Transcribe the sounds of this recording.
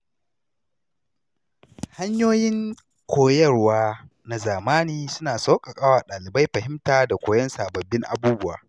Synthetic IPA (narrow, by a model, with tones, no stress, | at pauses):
ha˦ɲjoː˦jɪ˦ŋ | kʷʰoː˨jɐ˦˨rwaː˦ | na˨zaː˨maː˦niː˨sʊ˦naː˨sa˦wkʼa˨kʼa˦waː˨ɗaː˨lɪ˨ba˦jɸɐ˨hɪ˦mtaː˨da˨kʷoː˨jɐ˦nsaː˨bɐ˨bːɪ˦ŋʔa̰˨buː˦bʊ˦wa̰ː˨